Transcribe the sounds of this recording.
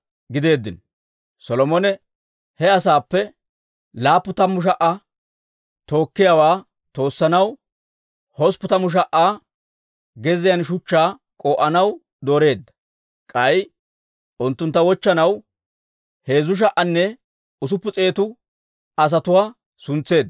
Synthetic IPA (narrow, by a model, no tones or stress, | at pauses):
ɡɪd̪e̞ːd̪ːɪn | sɔlɔmɔnɛ | hɛɐsaːpːɛ | laːpːʊt̪ɐmːʊʃ̬ɐʔɐ | t̪o̞ːkːɪjawaː | t̪o̞ːsːɐnɐw | hɔspːʊt̪ɐmʊʃ̬ɐʔaː | ɡɛzɪjɐnʃʊt͡ʃːaː | kʼoːʔɐnɐw | d̪oːɾe̞ːd̪ːɐ̥ | kʼɐj | ʔʊnt̪ːʊnt̪ːɐwɔt͡ʃːɐnɐw | he̞ːzʊʃ̬ɐʔːɐnːɛ | ʊs̬ʊpːʊt͡sʼe̞ːt̪ʊ | ɐs̬ɐt̪ʊwaː | sʊnt͡sːe̞ːd̪ː